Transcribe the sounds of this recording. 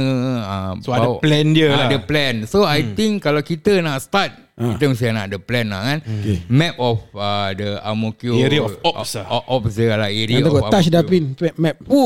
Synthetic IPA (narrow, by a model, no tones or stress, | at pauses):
asoaadplɛnd͡ʒəladəplɛnsoajt̪iŋkalawkit̪ənaʔst̪at̪̚ | it̪əmsəna̰ʔdəplɛnla̰hkanmɛp̚ɔfadəamokjoɾiɔfɔpsʔɔp̚sd͡ʒəalaeɾit̪aɔkɔaaʃdapinɛmɛp̚u